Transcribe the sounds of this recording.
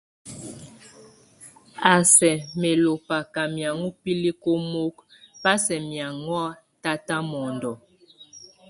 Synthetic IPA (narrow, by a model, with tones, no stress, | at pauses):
a˨sɛ˨me˨lo˨pa˨ka˨mja˨ŋu˦pi˦li˦ko˦mo˦k | pa˦sɛ˨mja˨ŋwa˦ | ta˦ta˦mɔ˨ndɔ˨